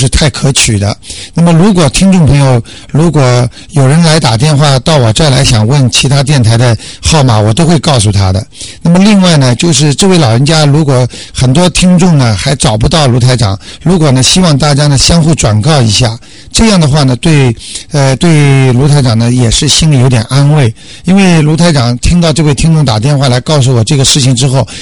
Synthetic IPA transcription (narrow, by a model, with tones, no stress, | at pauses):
ʂɻ̩˥˧t̪ʰa˥˩ɪkʰɤ˧˥t͡ɕʰy˨˩d̪ə̰˦na˥˩mə˩ɻu˧˥kwɔ˨˩t̪ʰi˥ŋʈ͡ʂʊ˥˩ŋpʰɤ˧˥ŋjo˧ʊ | ɻu˧˥kwɔ˨˩ | jo˨˩ʊɻə˧˥nla˧˥ɪt̪a˨˩t̪̬jɛ˥˧nxwa˥˧t̪ɑ˥˩ʊwɔ˨˩t͡sa˥˩la̰˧˥ɪɕjɑ˨˩ŋwə˥˩nt͡ɕʰi˧˥t̪ʰa˥t̪jɛ˥˩nt̪ʰa˧˥ɪd̪ə˧xɑ˥˩ʊma˨˩wɔ˨˩t̪o˥ʊxwe˥˧ɪkɑ˥˩ʊsu˨˩t̪ʰa̰˥d̪ə̰˨na˥˩mə˩li˥˧ŋwa˥˩ɪnə˩t͡ɕjo˥˧ʊʂ̬ɻ̩˥˧ʈ͡ʂɤ˥˧we˥˩ɪlɑ˨˩ʊɻə˧˥nt͡ɕja˥ɻu˧˥kwɔ˨˩˥ | xə˨˩nt̪̬wɔ˥t̪ʰi˥ŋʈ͡ʂʊ˥˩ŋnə˩xa˧˥ɪʈ͡ʂɑ˨˩ʊpu˧˥t̪ɑ˥˩ʊlu˧˥t̪ʰa˧˥ɪʈ͡ʂɑ̰˨˩ŋɻu˧˥kwɔ˨˩nə˦ɕi˥wɑ˥˧ŋt̪a˥˩t͡ɕja˥nə˨ɕjɑ˥ŋxu˥˩ʈ͡ʂwa˨˩nkɑ˥˩ʊḭ˧˥ɕja˥˩ | ʈ͡ʂɤ˥˧jɑ˥˩ŋd̪ə˩xwa˥˩nə˩t̪we˥˧ɪə˧t̪we˥˩˧ɪlu˧˥t̪ʰɪʈ͡ʂɑ˨˩ŋnə˦jɛ˨˩ʂɻ̩˥˩ɕi˥ni˨˧jo˧˥t̪jɛ̰˨˩nʔa˥nwe˥˩ɪ | i˥nwe˥˩ɪlu˧˥t̪ʰɪʈ͡ʂɑ˨˩ŋt̪ʰi˥ŋt̪ɑ˥˧ʊʈ͡ʂɤ˥˧we˥˩ɪt̪ʰi˥ŋʈ͡ʂʊ˥˩ŋt̪a˨˩t̪jɛ˥˧nxwa˥˩la˧˥ɪkɑ˥˧ʊs̬u˥˩wɔ˨˩ʈ͡ʂɤ˥˩ɡə˩ʂɻ̩˥˩t͡ɕʰi˩ŋʈ͡ʂɻ̩˥xo˥˩ʊ